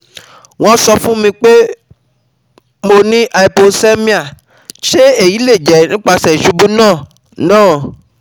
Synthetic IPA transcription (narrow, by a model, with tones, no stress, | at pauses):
w̃ɔ̃˧sɔ˧fũ˦mĩ˧k͡pe˦ | mo˧nĩ˦ʔa˧i˨po˧se˦mĩ˦a˨ | ʃe˦e˦˨ji˨˦le˦˨d͡ʒɛ˨nĩ˦k͡pa˧sɛ˨ʃu˨˦bũ˦nãː˦˨ | nãː˦˨